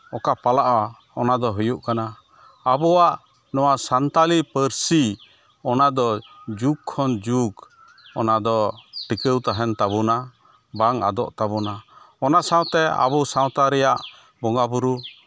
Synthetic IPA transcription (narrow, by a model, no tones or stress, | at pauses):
ɔkapalaʔwa | ɔnad̪ɔɦujuʔkanaː | bɔwaʔ | nɔwasant̪alipəɾsi | ɔnad̪ɔd͡ʒukʰːɔnd͡ʒuɡ | ɔnad̪ɔʈikəwt̪aɦɛnt̪aβuna | baŋa̰d̪ɔʔt̪abuna | ɔnasaw̃t̪ɛa̰bɔsãw̃t̪aɾɛjaʔ | bɔŋabuɾu